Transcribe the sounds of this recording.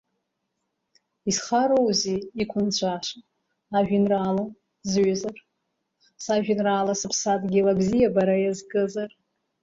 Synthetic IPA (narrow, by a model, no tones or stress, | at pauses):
isχaɾowziikʷʰʊnt͡ɕʷʰaʂ | aʒᶣinraːla | zɥazar | saʒᶣɪnraːlasɨpʰsatʼɡʲilaɡzijabaɾajazɡɨzar